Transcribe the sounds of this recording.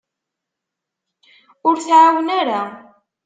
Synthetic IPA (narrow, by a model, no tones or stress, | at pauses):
ʊɾθʕawənaɾa